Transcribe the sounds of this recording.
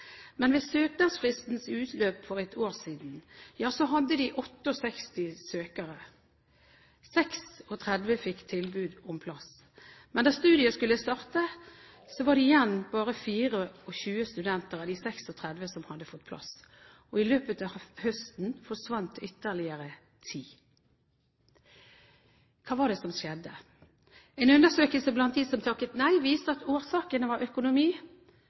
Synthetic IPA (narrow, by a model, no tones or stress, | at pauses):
mɛnʋeːsøːknɑsfʁɪst̪n̩sʉːt̪ʰløːpfɔʁɛt̪ʰoːɾsiːd̪njɑːsɔɦɑd̪ːəd̪ɪʔɔt̪ːəɔsɛkst̪ɪsøːkəɾə | sɛksɔt̪ʰʁɛd̪ʋəfɪkːt̪ʰɪlbʉːd̪ɔmpʰlɑs | mɛnd̪ɑst̪ʉːd̪ɪəskʉləst̪ɑʁt̪ə | sɔʋɑːd̪ɛɪjɛnbɑːʁəfiːʁəɔɕʉːəst̪ʉd̪ɛnt̪əʁɑd̪isɛksɔt̪ʰʁɛd̪ʋəsɔmhɑd̪ːəfɔt̪̚pʰlɑ̰s | ɔɪløːpət̪ɑːhœst̪n̩fɔʁʂʋɑnt̪ʏt̪ːəʁlɪəɾə | t̪ʰiː | kʰɑːʋɑd̪ɛsɔmʃjɛd̪ːə | ɛɪnʉnːəsøːkəlsəblɑnt̪̚d̪iːsɔmt̪ʰɑkːət̪næɪʋiːst̪əɑt̪oːɾsɑːkənəʋɑɾœkʊnʊmiː